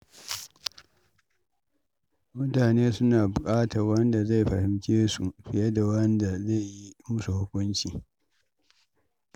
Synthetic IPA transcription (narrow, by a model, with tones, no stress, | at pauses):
mʊ˦taː˨neː˦sʊ˦naː˨bʊ˨kʼaː˦tɐ˨rwɐ˦nda˨za˦˨jɸɐ˨hɪ˨mt͡ʃʲeː˦su˨ɸɪ˨jɐ˦da˨wɐ˦nda˨za˦˨jji˦mʊ˦su˨hʊ˦kʷʊ˦nt͡ʃiː˨